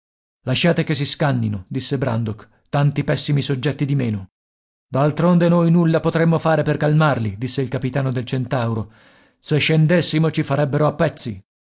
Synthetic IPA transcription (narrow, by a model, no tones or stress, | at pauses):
laʃːaːt̪ekes̬iskanːinod̪isːebɾa̰nd̪ok | t̪ant̪ipɛsːimisod͡ʒːɛt̪ːid̪imeːno | d̪alt̪ɾond̪enojnulːapot̪ɾemːofaːɾeperkalmarlid̪isːeilkapit̪aːnod̪elt͡ʃent̪awɾo | seʃːend̪esːimot͡ʃifaɾɛbːeɾoapːɛt̪sːḭ